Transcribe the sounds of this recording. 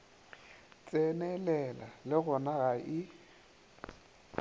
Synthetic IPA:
t͡sʼɛnɛlɛlalɪɣʊnaɣaʔɪ

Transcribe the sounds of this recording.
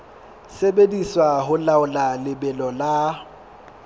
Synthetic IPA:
sebediswaɦʊlaʊlalɪbɛlɔla

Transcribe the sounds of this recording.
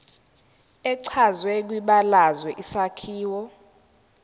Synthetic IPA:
ɛǀʰazwɛk̬wiɓalazwɛʔisakʰiːwɔ

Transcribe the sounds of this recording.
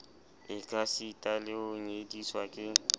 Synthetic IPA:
ɪkʼasitʼalɪʊɲediswakʼɪ

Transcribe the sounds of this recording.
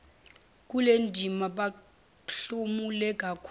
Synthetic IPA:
k̬ulendʱimaɓa | ɬumulɛk̬ʼakʰ

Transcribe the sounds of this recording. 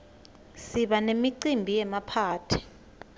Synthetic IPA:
siɓanemiǀimbʱijɛmapʰaːtʰi̥

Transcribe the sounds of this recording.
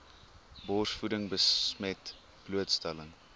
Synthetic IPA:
bɔrsfudəŋbəsmɛt | b̥luətstɛləŋ

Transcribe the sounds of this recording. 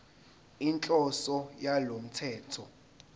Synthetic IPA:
int͡ɬʼɔsɔjalom̩tʰɛːtʰɔ

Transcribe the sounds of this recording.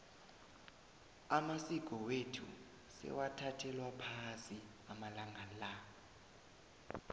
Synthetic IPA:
amasikʼɔwetʰṵ | sɛ̰watʰatʰɛlwapʰasi | amalaŋala

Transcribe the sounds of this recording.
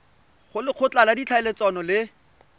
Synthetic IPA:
χʊlɪq͡χʰʊt͡ɬaladit͡ɬʰaɪlet͡sanɔlɪ

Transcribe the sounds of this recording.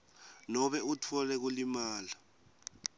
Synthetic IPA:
nɔɓɛutʰɔlɛk̬ulimaːla

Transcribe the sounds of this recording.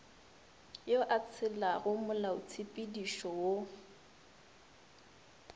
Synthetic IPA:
joʔat͡sʰɪlaɣʊmʊlaʊ̰t͡sʰipʼidiʃɔwo

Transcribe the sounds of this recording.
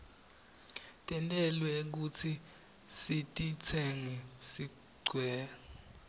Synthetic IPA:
tʼɛntʼɛlwɛk̬ut͡sʰi | sitʼit͡sʰɛŋɛsi | ɡ͡ǀwɛː

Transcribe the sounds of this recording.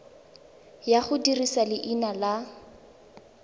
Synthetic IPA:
jaχʊdirisalɪʔinala

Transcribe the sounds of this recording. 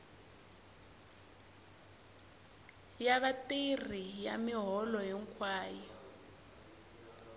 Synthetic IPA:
jaβatir̤ijamiɦɔlɔjɛŋkʰwaːjɔ

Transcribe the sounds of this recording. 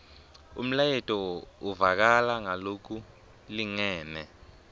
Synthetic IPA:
ṵm̩lajɛtʼɔuvak̬alaŋalok̬u | liŋɛːmɛ

